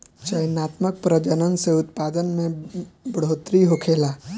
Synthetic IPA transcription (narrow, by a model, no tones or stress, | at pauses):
t͡ʃəjnaːt̪mək̚pɾəd͡ʒənənseʊt̪paːd̪ənmẽbəɽ̤oːt̪ɾiɦokʰeːlaː